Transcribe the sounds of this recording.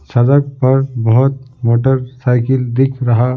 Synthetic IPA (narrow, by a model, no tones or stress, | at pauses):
səd͡ʒək̚pəɾbəɦʊt̪̚moʈəɾsaɪkild̪ikʰɾəɦa